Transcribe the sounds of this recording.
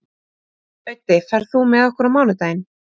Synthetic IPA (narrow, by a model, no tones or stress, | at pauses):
œɥt̪ːɪfɛɾ̥θumɛðɔhkʏɾamaːwnʏt̪aːjn